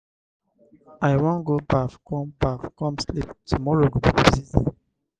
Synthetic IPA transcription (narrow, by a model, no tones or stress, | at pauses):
ajwɔ̃nɡobafkɔ̃mbafkɔ̃msliptumɔɹoɡobibiziz